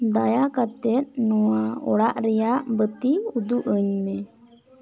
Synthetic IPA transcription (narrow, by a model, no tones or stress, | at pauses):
d̪ajakat̪ɛt̪̚ˀnɔwaɔɽaʔɾɛjaʔbət̪iud̪uʔəɲmɛ